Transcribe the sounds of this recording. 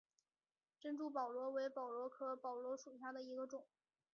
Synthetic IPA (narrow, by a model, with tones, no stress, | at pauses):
ʈ͡ʂə˥nʈ͡ʂu˥˩p̬ɑ˨˩ʊlwɔ˧˥we˧˥ɪpɑ˨˩ʊlwɔ˧˥kʰɤ˥pɑ˨˩ʊlwɔ˧˥ʂu˨˩ɕja˥˩d̪ə˩i˧˥ɡə˧ʈ͡ʂʊ˨˩˦ŋ